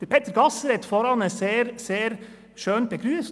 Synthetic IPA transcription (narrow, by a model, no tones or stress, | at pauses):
əɾpʰet̪əɾɡɑsɾɛt̪fɔɾɑnəseːɾseːɾ | ʃøːnpʰeːkʰɾʉːəs